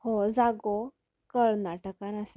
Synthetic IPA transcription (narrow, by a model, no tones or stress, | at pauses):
hod͡zaɡo | kəɭnaʈəkanase